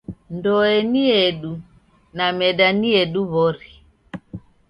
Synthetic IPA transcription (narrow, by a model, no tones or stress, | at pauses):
ndɔɛniɛɗu | namɛɗaniɛɗuβɔɾi